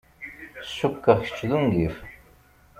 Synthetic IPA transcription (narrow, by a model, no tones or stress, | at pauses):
sukːəʁçə̥t͡ʃːðuŋɡif